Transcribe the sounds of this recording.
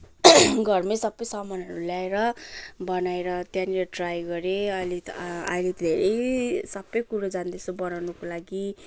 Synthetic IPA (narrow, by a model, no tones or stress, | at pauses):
ɡʱʌrmesʌbːʌjsʌmʌnʌɾulaeɾʌbʌnaeɾʌt̪janiɾʌʈrajɡʌɾeʌjliʌjlit̪deɾesʌbːʌjkuɾod͡zand̪esobʌnawnukolaɡi